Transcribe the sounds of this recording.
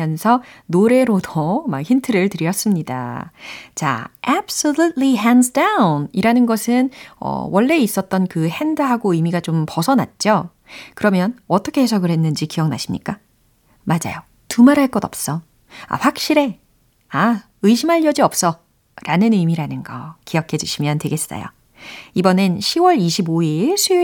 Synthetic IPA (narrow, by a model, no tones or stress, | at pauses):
jʌnsʰʌnoɾe̞ɾodoma̰kçintʰɯɾɯɭtɯɾiʌs͈ɯmɲida̰ | t͡ɕa̰abs͈olut̚liɦansdawniɾanɯnɡʌsʰɯnʌ̰wʔʌɭːe̞is͈ʌt̚t͈ʌnkɯhendɯɦaɡoɯjmiɡat͡ɕompʌsʰʌna̰t̚t͡ɕ͈o | kɯɾʌmjʌnʌt͈ʌkʰe̞hesʰʌɡɯɾɦhe̞nːɯnd͡ʑikijʌŋna̰ɕʰimɲḭk͈a | mad͡ʑa̰jo | tumaɾɦaɭk͈ʌdʌp̚s͈ʌ | a̰ɸwak̚ɕ͈iɾe̞ | a | ɯiɕʰimaʎːjʌd͡ʑiʌp̚s͈ʌ | ɾʔanɯnɯmiɾanɯnɡʌ̰kijʌkʰe̞d͡ʑuɕʰimjʌntwe̞ɡe̞s͈a̰jo̰ | ibʌnɯnɕʰiwʌɾiɕʰiboiɭsʰe